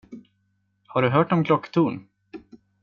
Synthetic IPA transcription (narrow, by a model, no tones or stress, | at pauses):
haɖɵɦœːʈɔmkʰlɔkːt̪ʰuːn